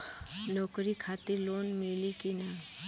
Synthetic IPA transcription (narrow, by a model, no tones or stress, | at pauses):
nɔːkɾikʰat̪iɾloːnmilikina